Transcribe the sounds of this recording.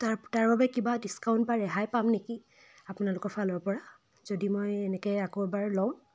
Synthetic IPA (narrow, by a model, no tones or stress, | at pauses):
tataɹbabɛkibadiskaʊ̃ntbaɹɛɦajpamneki | apʊnalʊkɔɹpʰalɔɹpɔɹa | z̥odimojɛnɛkɛakobaɹlɔʊ̃